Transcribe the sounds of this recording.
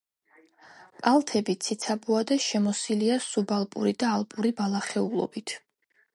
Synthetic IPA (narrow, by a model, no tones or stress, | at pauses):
pʼalˠt̪ʰɛbit̪sʰit̪sʰabuad̪aʃɛmɔsiliasubalˠpʼṵɾid̪aːlˠpʼuɾibalˠaχɛulˠɔ̰bit̪ʰ